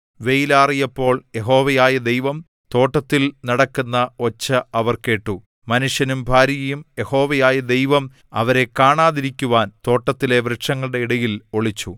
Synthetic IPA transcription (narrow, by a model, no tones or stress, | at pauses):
ʋe̞jilaːrijɐpːo̞ːɭje̞ɦo̞ːʋɐjaːjɐd̪ejʋɐm | t̪o̞ːʈːɐt̪ːilnɐɽɐkːunːɐo̞t͡ɕːɐɐʋɐrke̞ːʈːu | mɐnuʂjɐnumbʱaːɾijɐjumje̞ho̞ːʋɐjaːjɐd̪ejʋɐm | ɐ̰ʋɐɾe̞kaːɳaːðiɾikʲːuʋaːnt̪o̞ːʈːɐt̪ːile̞ʋɾɨʈʂɐŋːɐɭɨɽe̞iɽɐjilo̞ɭit͡ɕːu